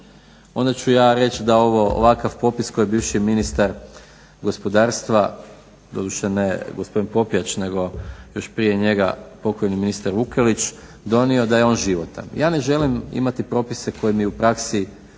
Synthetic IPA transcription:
o̞̰nd̪at͡ɕujaːɾe̞t͡ʃd̪ao̞ʋo̞o̰ʋakafpo̞pisko̞jebiːʋʃiminist̪aɾ | ɡo̞spo̞d̪aːɾst̪ʋa | d̪o̞̰d̪uʃeneɡospo̞d̪inpo̞piat͡ʃne̞ɡo̞jo̞ʃpɾije̞ɲe̞ɡa̰po̞ko̞jniminist̪aɾʋukelit͡ʃ | d̪o̞nio̞d̪aje̞o̞ːnʒiʋo̞t̪a̰mjʔaːne̞ʒe̞limḭmat̪ipɾo̞ːpise̞kʰo̞jemiupɾaksi

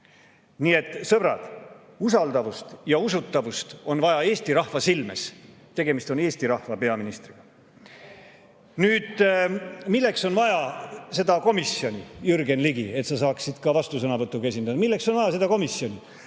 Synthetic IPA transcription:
niːe̞t̪ːˑsɤb̥ɾɑ̰d̪̥ | usɑld̪ɑvust̪jɑus̬ut̪ːɑvust̪o̞nvɑjɑe̞ːsʲt̪iɾɑhvɑsilmḛs | t̪e̞ɡe̞mist̪o̞ne̞ːsʲt̪iɾɑhvɑpe̞ɑminist̪riɡ̥ɑ | nyːd̪̥ | milːe̞kso̞nvɑjɑse̞d̪̥ɑko̞misjo̞nʲijyrɡe̞nliɡie̞t̪sɑsɑːksid̪̥kɑvɑst̪usɤnɑvɤt̪ːˑukes̬ʲind̪ɑd̪ɑmilːe̞kso̞nvɑjɑse̞d̪ɑko̞misjo̞nʲi

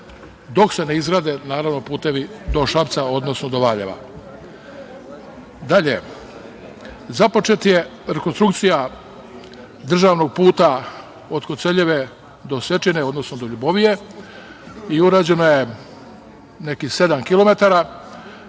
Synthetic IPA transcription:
d̪o̞kse̞neizɡɾaːd̪enaːɾaʋnopuːt̪e̞ʋid̪o̞ʃapt̪sao̞d̪no̞snod̪o̞ʋaʎḛʋa̰ | d̪aʎe | zapo̞t͡ʃet̪je̞ɾekonst̪ɾukt̪sija | d̪r̩ʒaːʋno̞ɡ̚puːt̪a | ot̪kot̪seʎeʋe | d̪o̞sʋe̞t͡ʃineo̞d̪no̞snod̪oʎuboʋije̞ | iuɾaːd͡ʑe̞naje̞ | ne̞kise̞d̪amkilˠo̞me̞t̪aɾa

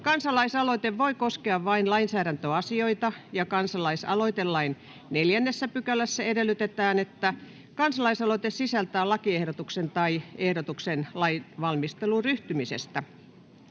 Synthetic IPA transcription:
kɑnsɑlɑisɑloit̪eʋʋoikoskeɑʋʋɑinlɑinsæːɾænt̪øɑsioit̪ɑjɑkɑnsɑlɑisɑ̰loit̪ellːɑin | neljænːesːæpykælæsːæedelːˑyt̪et̪æːnet̪ːæ | kɑnsɑlɑisɑloit̪essisælt̪æːlɑkiehɾot̪uksent̪ɑiehdot̪uksenlɑinʋɑlmist̪eluryht̪ymisḛst̪æ

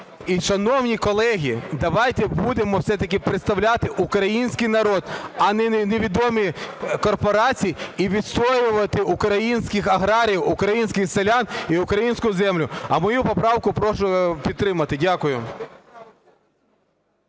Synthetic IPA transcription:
iʃɐnɔwnʲikɔlˠɛɦʲid̪ɐʋɑjt̪ɛbud̪emɔwsɛt̪ɐk̬ɪpɾeɪt̪st̪ɐwlʲat̪ɪʔukɾɐjinʲsʲkɪjnɐɾɔd̪ɐnɛneʋʲid̪ɔmikɔrpɔɾɑt͡sʲijiiʋʲid̪st̪ɔjʊʋɐt̪ɪʔʊkɾɐjinʲsʲkɪxɐɦɾɑɾʲijwʊkɾɐjinʲsʲkʲɪxselʲaniʊkɾɐjinʲsʲkʊzɛmlʲʊɐmɔjupɔpɾɑwkʊpɾɔʃʊpʲid̪t̪ːɾɪmɐt̪ɪdʲakʊjʊ

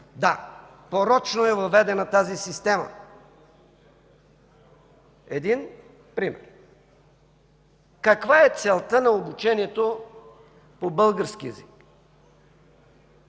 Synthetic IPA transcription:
d̪a | poɾɔt͡ʃnoɛvɐvɛd̪ɛnɐt̪azisist̪ɛmə̰ | ɛd̪in | pɾimɛ̰ɾ | kɐkvaɛt̪sɛlˠt̪ənɐobut͡ʃɛniɛt̪o | pobɤlˠɡəɾsk̟iɛzik

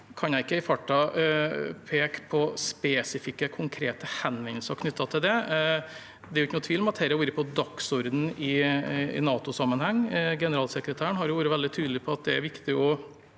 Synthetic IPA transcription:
kʰɑnjæɪɪkːəɪfɑʈːɑ | pʰeːkpʰɔspɛːsɪfɪkːəkʰʊŋkʰɾeːt̪əhɛnʋɛnl̩səɾkʰnʏt̪ːɑt̪ʰɪld̪ɛ | d̪ɛɾʊɪːənʊːt̪ʰʋiːlɔmɑt̪hɛɾəʋuːɾəpʰɔd̪ɑksɔɾd̪n̩ɪɪ̰nɑːt̪ʊsɑmːənhɛŋːɡɛnəɾɑːlsəkɾət̪ʰæːəɳɦɑɾjʊʋuːɾəʋɛld̪ɪt̪ʰyːd̪lɪpʰɔɑt̪̚d̪ɛæ̰ɾʋɪkt̪ɪɔ

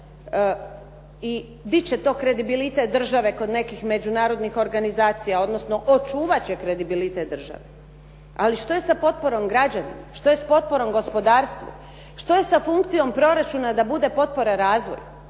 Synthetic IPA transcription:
i | d̪it͡ɕet̪o̞ːkɾe̞d̪ibilit̪et̪̚d̪r̩ʒaʋe̞ko̞d̪ne̞kixme̞d͡ʒunaːɾo̞d̪nixo̞ɾɡanizaːt̪sijao̞d̪nosno̞ʔot͡ʃuːʋat͡ɕekɾe̞d̪ibilit̪et̪̚d̪r̩ʒa̰ʋe | aliʃt̪o̞je̞sapo̞t̪̚po̞ɾo̞mɡɾad͡ʑanḭmaʃt̪o̞jespo̞t̪̚po̞ɾo̞mɡo̞spo̞d̪aːɾst̪ʋṵ | ʃt̪o̞je̞safuŋkt̪sijo̞mpɾo̞ɾat͡ʃunad̪abud̪e̞po̞t̪̚po̞ɾaɾaːzʋo̰ju

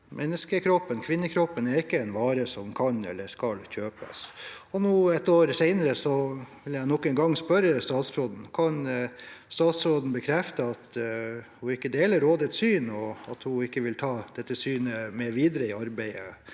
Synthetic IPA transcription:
mʔɛnːəskəkʰɾɔpːənkʰʋɪnːəkʰɾɔpːənɛɾɪkːəɛɪnʋɑːɾəsɔmkʰɑnɛ̰lːəskɑlçøːpə̰sɔnuːɛt̪oːɾseɪnəɾəsɔʋɪljæɪnɔkːɛnɡɑŋːspœɾəst̪ɑːt̪sɾoːd̪n̩kʰɑnst̪ɑːt̪sɾoːd̪n̩bəkʰɾɛft̪əɑt̪ | hʊɪkːəd̪eːləɾoːd̪ət̪syːnɔɑt̪hʊɪkːəʋɪlt̪ʰɑːd̪̥ɛt̪ːəsyːnəmeːʋiːd̪ɾəɪɑɾbæɪə̰

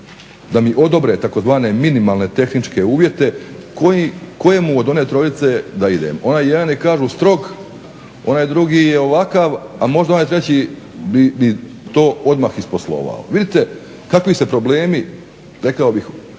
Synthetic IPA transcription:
d̪amiʔo̞d̪o̞bɾe̞t̪ako̞zʋaːne̞minimaːlˠne̞t̪e̞xnit͡ʃke̞uːʋje̞t̪e̞kojiko̞je̞muod̪o̞net̪ɾo̞jit̪se̞d̪aid̪ḛmo̞naːjjed̪anikaːʒust̪ɾo̞ɡ | o̞naːjd̪ɾuɡiːjeo̞ʋakaʋamo̞ʒd̪anajt̪ɾe̞t͡ɕi | bimi | t̪o̞ːo̞d̪maxisposlˠo̞̰ʋa̰o̰ʋid̪it̪e | kakʋise̞pɾo̞ble̞ːmi | ɾe̞kaobix

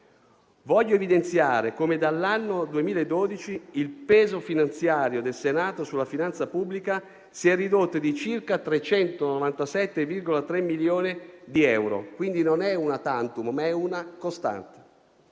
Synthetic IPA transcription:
vɔʎːoevid̪ent̪sjaːɾekomed̪alːanːod̪uemiːlaed̪ːod̪it͡ʃiilpɛːzofinant̪sjaːɾjod̪elsenaːt̪osulːafinant̪sapubːlika | siɛrːid̪ot̪ːod̪it͡ʃirkat̪ɾet͡ʃɛnt̪onovant̪asɛt̪ːevirɡolat̪ɾɛmːiljoːnid̪iɛwɾo̰kwind̪inonɛunat̪ant̪ummaɛunakost̪a̰nt̪e̥

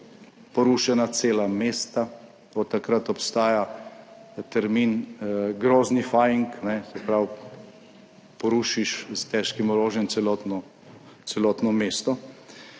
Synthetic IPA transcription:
pɔɾuʃɛnat̪seːlameːst̪a | ot̪ːakɾat̪ɔpst̪aːja | t̪ɛɾminɡɾoːznifajiŋknɛsɛpɾaw | pɔɾuːʃiʃzt̪ɛʃkimɔɾoːʒjɛnt̪sɛlɔt̪nɔ | t̪sɛlɔːt̪nɔmeːst̪ɔ

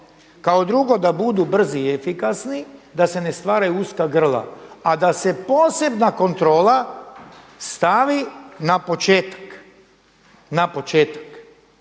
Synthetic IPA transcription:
kaod̪ɾuɡo̞d̪abud̪ubr̩ziefikasnid̪ase̞ne̞st̪ʋaːɾajuuskaɡr̩lˠa̰ad̪ase̞po̞ːse̞bnako̞nt̪ɾo̞ːla | st̪aʋinapo̞t͡ʃeːt̪ḁk | napo̞t͡ʃeːt̪ḁk

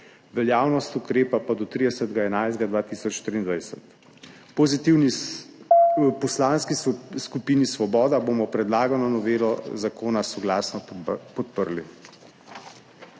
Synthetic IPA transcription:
ʋɛljaːwnɔst̪ukɾeːpapad̪ɔt̪ɾid̪ɛsət̪ɡaɛnajzd̪ɡad̪ʋaːt̪isɔt͡ʃʃt̪ɾiːnd̪ʋajsɛt̪ | pɔzit̪iwni | pɔslaːnskiskupiːnisʋɔbɔːd̪aboːmɔpɾɛd̪laːɡanɔnɔʋeːlɔzakoːnasɔɡlaːsnɔpɔt̪pəɾli

